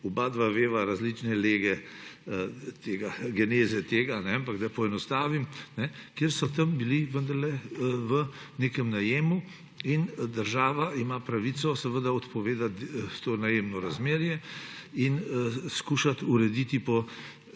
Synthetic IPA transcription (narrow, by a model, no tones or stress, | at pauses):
ubaːd̪ʋaʋeːʋaɾazlit͡ʃnɛleːɡɛ | t̪eːɡaɡɛneːzɛt̪eːɡanɛampaɡd̪apɔɛnɔst̪aːʋimnɛkjeɾsɔt̪ɐmbiliʋənd̪ɐɾlɛʋə | neːkɛmnajeːmu | ind̪əɾʒaːʋaimapɾaʋit̪sɔsɛʋəd̪aɔt̪pɔʋeːd̪at̪t̪onajeːmnɔɾazmeːɾjɛinskuʃat̪uɾɛd̪it̪ipɔ